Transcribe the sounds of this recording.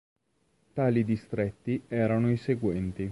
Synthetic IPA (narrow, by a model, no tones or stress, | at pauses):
t̪aːlid̪ist̪ɾɛt̪ːiɛːɾanoiseɡwɛnt̪i